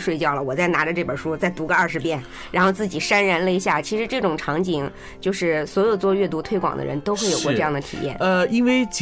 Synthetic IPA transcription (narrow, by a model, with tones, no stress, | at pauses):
ʂwe˥˧ɪt͡ɕjɑ˥˩ʊlə˩wɔ˨˩t͡sa˥˩ɪna˧˥ʈ͡ʂə˧ʈ͡ʂɤ˥˩pə˞˨˩ʂu˥t͡sa˥˩ɪt̪u˧˥ɡə˧ɐ˞˥˩ʂɻ̩˧˥pjɛ˥˩n | ɻa˧˥nxo˥˧ʊt͡sɹ̩˥˩t͡ɕi˨˩ʂa˥nɻa˧˥nlə˧i˧˥ɕja˥˩t͡ɕʰi˧˥ʂɻ̩˧˥ʈ͡ʂɤ˥˩ʈ͡ʂʊ˨˩ŋʈ͡ʂʰɑ˧˥ŋt͡ɕi˧˩˦ŋ | t͡ɕjo˥˧ʊʂɻ̩˥˩swɔ˧˥jo˨˩ʊt͡swɔ˥˧ɥɛ˥˩t̪u˧˥t̪ʰwe˥ɪkwɑ̰˨˩ŋd̪ə̰˧ɻə̰˧˥nt̪o˥ʊxwe˥˩ɪjo˨˩ʊkwɔ˥˧ʈ͡ʂɤ˧jɑ˥˩ŋd̪ə˩t̪ʰḭ˨˩jɛ̰˥˩nə˧i˥nwe˥˧ɪt͡ɕʰ